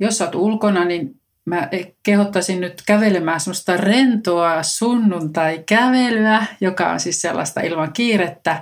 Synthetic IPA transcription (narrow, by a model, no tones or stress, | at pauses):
josːɑt̪ulkonɑnin | mæekehot̪ːɑsinnyt̪kæʋelemæːsemost̪ɑrent̪oɑsunːunt̪ɑikæʋelyæjokɑ̰o̰nsiːsselːɑ̰st̪ɑ̰ʔilmɑŋkiːret̪ːæ